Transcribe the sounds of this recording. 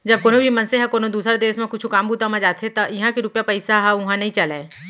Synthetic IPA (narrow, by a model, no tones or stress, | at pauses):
d͡ʒɐb̚koːnõbʱimɐnseɦɛkoːnod̪uːsɾad̪eːʃmẽkʊt͡ʃʰukaːmbuːt̪amãd͡ʒaːt̪ʰeet̪ajɐɦãkiɾʊpjapɐɪsaɦɛʊɦãnɐɦĩt͡ʃɐleː